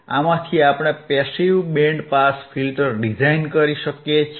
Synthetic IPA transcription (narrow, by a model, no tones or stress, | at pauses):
a̰mãt̪ʰiapɽ̃epɛsiwbeɳɖpaspʰilʈəɾɖid͡ʒainkəɾiʃəkjet͡ʃʰ